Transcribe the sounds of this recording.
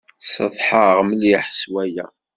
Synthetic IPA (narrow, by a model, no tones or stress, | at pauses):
sə̰ðˤħəʁmliħəswæjæ